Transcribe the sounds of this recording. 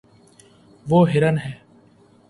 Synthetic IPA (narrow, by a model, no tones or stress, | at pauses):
ʋoːɦɪɾənɦɛː